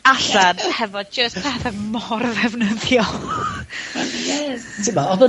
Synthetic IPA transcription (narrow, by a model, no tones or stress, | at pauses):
aɬadhɛvɔd̚d͡ʒəspʰɛθɛmɔrðɛvnəðjɔ | jɛ | tʰɪmaɔðə